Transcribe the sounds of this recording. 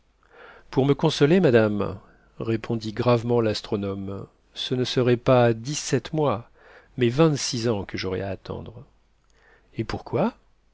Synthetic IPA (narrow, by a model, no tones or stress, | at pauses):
puʁməkɔ̃sɔlemad̪am | ʁepʰɔ̃d̪iɡʁavmɑ̃last̪χɔnɔm | sənəsəʁɛpad̪isɛt̪mwa | mɛvɛ̃t̪sizɑ̃kəʒɔʁɛ̰aːt̪ʰɑ̰̃d̪ʁ | epuʁkwa